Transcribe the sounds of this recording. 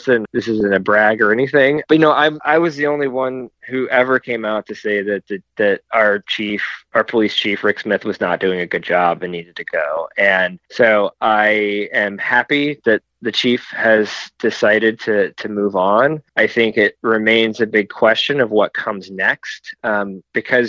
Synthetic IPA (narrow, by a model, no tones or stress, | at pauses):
sɨ̃nðɪsɨzɨ̃nɨbɹæɡə˞ɛniθɪ̃ŋ̥ʌjɨnoʊʔãɪ̃mʔaɪwʌzðiõʊ̃nliwʌ̃nhʉʔɛvə˞kʰẽɪ̃maʊtʰɨseɪðɨt̪̚ðɨðɨɾə˞t͡ʃʰifə˞pʰəlist͡ʃʰifɹɪksmɪθwʌznət̚d̥ʉɪ̃ŋɨɡʊd̚d͡ʒɑbɨ̃nːiɾɨd̚tʰɨɡ̥oʊɨ̃nsoʊʔaɪɨ̃mhæpiðɨt̪̚ðɨt͡ʃʰifhɨz̥d̥ɨsaɪɾɨd̚tʰɨtʰɨmuvn̩ʔaɪθɪ̃ŋkɪt̚ɹɨmẽɪ̃nzɨbɪɡ̚kʰw̥ɛst͡ʃɨ̃nʌvwʌt̚kʰʌ̃mznɛkst̚ʌ̃mb̥ɨkʰʌz